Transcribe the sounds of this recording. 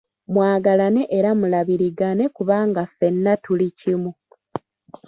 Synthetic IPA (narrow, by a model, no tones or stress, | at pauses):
mwaːɡalane̞ʔeɾamulaβiɾiɡane̞kuβaːŋɡafːe̞nːatulicimu